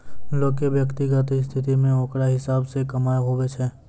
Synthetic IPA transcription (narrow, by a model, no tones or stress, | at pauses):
loːkeʋjəkt̪iɡat̪ist̪ʰɪt̪imẽɔ̃ːkɽaɦɪsaːbsekɐmaːeɦoʋet͡ʃʰɛː